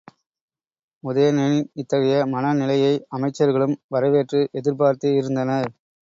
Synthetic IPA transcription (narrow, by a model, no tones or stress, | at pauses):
mʊðɐjɐnɛniɪt̪ːɐɣɐjɐmɐnɐnɪlɐjɐɪɐmɐɪt͡ʃːɐɾɣɐɭɯmʋɐɾɐʋeːʈrɯʔɛðɪɾpaːɾt̪ɯɪɾɯnd̪ɐnɐ